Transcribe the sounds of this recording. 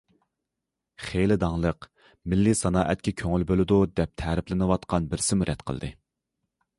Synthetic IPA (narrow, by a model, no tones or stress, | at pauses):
χejlɪd̪ɑŋlˠəq | mɪlːisɑnɑːʔɛt̪kʲɛkʲʰøŋylbølɪd̪ud̪ɛp̚t̪ʰɛɾɪplɪnɨwɑt̪qɑnbɪɾsɪmuɾʔɛt̪qʰə̰l̰ˠd̪ɨ